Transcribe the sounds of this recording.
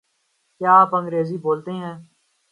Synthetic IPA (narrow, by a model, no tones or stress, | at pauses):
kjaːaːpə̃ŋɡɾeːziːboːlt̪eɦɛ̃ː